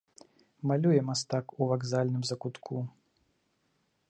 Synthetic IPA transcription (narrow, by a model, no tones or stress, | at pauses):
malʲujɛmast̪akuvaɡzalʲnɨmzɐkut̪kʰu